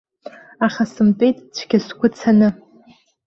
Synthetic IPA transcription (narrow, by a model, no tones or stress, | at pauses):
aχʲasɨmpʼejtʼt͡ɕʷʰɡʲasɡʷʊt͡sʰanɨ